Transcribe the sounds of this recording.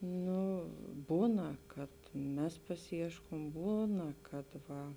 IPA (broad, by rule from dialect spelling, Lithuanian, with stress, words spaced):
ˈnʊ ˈbuːnɐ kɐt ˈmʲɛs pɐsʲɪˈiɛʃkoːm ˈbuːnɐ kɐt ˈʋɐ